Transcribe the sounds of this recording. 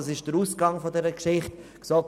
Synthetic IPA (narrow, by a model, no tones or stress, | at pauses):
ɑsɪʃd̥əɾuːsɡ̥ɑŋfɔdɛɾəkʃɪχtksɔk